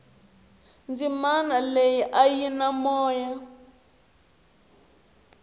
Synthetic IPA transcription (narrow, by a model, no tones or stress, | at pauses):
nd͡zimanalejiʔajinamɔːja